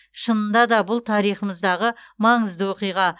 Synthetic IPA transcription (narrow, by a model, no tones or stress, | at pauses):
ʃənənd̪ɑd̪ɑbʊlˠt̪ʰɑɾijχəməzd̪ɑʁəmɑɴəzd̪əwo̞qijʁɑ